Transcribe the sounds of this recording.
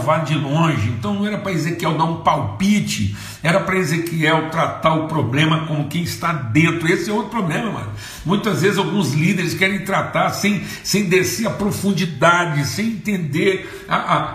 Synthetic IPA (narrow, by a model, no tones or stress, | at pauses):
vad͡ʒɪlõʒɪẽnt̪ɐ̃w̃nɐ̃ɛɾɐpɾɐezekiɛwd̪aɾũpawpit͡ʃɪ̰ | ɛɾɐpɾɐezekiɛwt̪ɾat̪aɾʊpɾoblẽmɐkõʊkẽj̃ɪst̪ad̪ẽnt̪ɾʊesɪɛwowt̪ɾʊ̥pɾoblẽmɐmɐ̰̃n | mũj̃t̪ɐzvezɪzawɡũzlid̪eɾɪskɛɾẽj̃t̪ɾat̪aɾsẽj̃ | sẽj̃d̪eseɾɐpɾofũnd͡ʒid̪ad͡ʒɪsẽj̃ẽnt̪ẽnd̪eɾ | aʔa